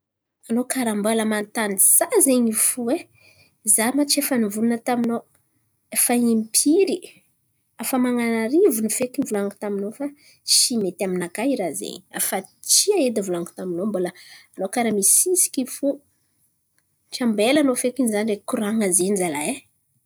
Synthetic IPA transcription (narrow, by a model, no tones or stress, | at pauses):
anokaɾamboləmant̪aniz̥azeɲifuwe | zamat͡ʃefənivulunət̪amino | efaimpʰiɾi | afamaŋanaɾivunifekinivulaŋɡu̥t̪aminofa | ʃimet̪aminakaiɾazḛɲia̰fa | t͡ʃiaed̪ivulaŋɡu̥t̪aminomboləanokaɾamisisi̥kifu | ʈ͡ʂambelanofekinizanrekuɾaŋazenizalae